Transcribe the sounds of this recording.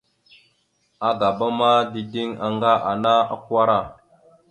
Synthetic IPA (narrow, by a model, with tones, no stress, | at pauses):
a˦ɡa˨ba˦ma˦di˨di˦ŋa̰˨ŋɡa˦ʔa˨na˦a̰˦ka˦ɾa˦˨